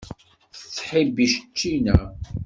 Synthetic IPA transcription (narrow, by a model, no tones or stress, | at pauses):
θət͡sːħibiʃət͡ʃːinæ